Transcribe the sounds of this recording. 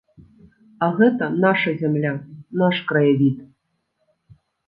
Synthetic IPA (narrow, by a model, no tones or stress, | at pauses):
ɐɣɛt̪ɐnaʂɐzʲamlʲanaʂkɾɐjavʲit̪